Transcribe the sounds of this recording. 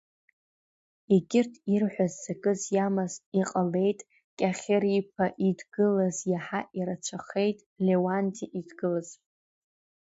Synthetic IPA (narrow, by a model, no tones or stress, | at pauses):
eɡʲɪrtʰirħʷᶣazːakʼɨzjamaziqʼale̞jtʼ | kʲʼaχʲeripʰaʔidɡɨlazjaħaʔiɾat͡ʃʷʰaχe̞jtʼlewantʰiʔidɡɨlaz̥